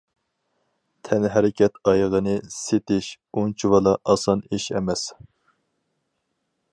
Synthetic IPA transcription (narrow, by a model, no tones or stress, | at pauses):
t̪ʰɛnɦæɾɪkʲʰɛt̪ʰɑjʁənɨset̪ɪʃ | unt͡ʃʰuwɑlˠɑʔɑsɑniʃɛ̰mɛs